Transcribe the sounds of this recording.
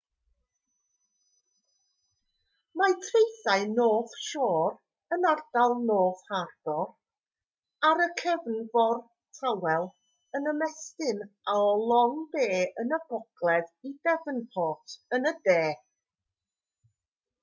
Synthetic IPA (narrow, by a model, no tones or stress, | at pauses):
matʰrejθaɨnoːð̥ʃoːr | ənard̥alˠnoːðhard̥ɔr | aɾəkʰɛvnvɔr | tʰawɛlˠ | ənəmɛstɪnaɔlˠɔŋbeːənəb̥ɔɡ̥lˠɛðidɛvənpʰɔːtʰənədeː